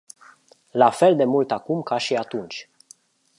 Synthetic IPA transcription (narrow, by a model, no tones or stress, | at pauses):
lafe̞ld̪e̞mult̪akumkaʃiat̪unt͡ʃʲ